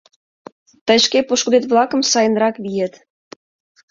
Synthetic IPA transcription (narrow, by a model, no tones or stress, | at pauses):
t̪ə̆ɕkepuʃkud̪et̪βlˠɑkə̆msɑjə̆nrɑkβijə̆t̪